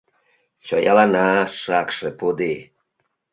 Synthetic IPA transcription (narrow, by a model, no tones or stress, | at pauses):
t͡ʃɔ̰ja̰lanaːʂakʂɛpod̪e